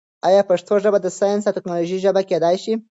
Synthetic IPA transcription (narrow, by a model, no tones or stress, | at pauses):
ɑjɑpəʂt̪ʰoʒəbad̪əsɑjɑnsat̪ɪknɑloʒiʒəbaked̪ɑjʃi